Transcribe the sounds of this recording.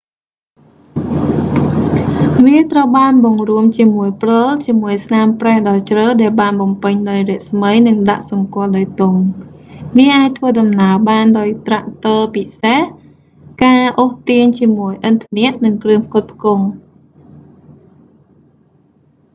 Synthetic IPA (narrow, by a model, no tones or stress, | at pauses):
ʋiət̪rəwɓaːnɓɑŋruəmt͡ɕiəmuəjprolt͡ɕiəmuəjsnaːmprɛːhɗɑt͡ɕrəːɗaɛlɓaːnɓɑmpɨɲɗaɔjrɛ̆əʔsməjnɨŋɗaʔsɑŋkŏəlɗaɔjt̪uŋ | ʋiəʔaːc̚t̪ʰʋəːɗɑmnaəɓaːnɗaɔjt̪raʔt̪oːpiseh | kaːʔoht̪iəɲt͡ɕiəmuəjʔɨnt̪ʰanɛəʔnɨŋkrɨəmp̚ʰkʊ̆t̪̚pʰkuŋ